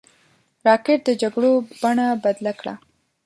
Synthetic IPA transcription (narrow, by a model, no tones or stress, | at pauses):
ɾɑkeʈ̚d̪əd͡ʒaɡɽob̥aɳabad̪lakɽa̰